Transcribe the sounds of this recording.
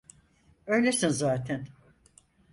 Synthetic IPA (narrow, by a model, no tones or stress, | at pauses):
ø̞jlʲesinzaːt̪ʰɛn